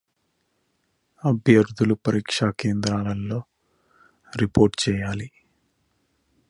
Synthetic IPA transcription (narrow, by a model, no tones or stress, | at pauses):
ɐbʱjɐɾd̪ʱulupɐɾiːkʂake̞ːnd̪ɾaːlɐlːoː | ɾipo̞ːɾʈt͡ʃɛːjaːli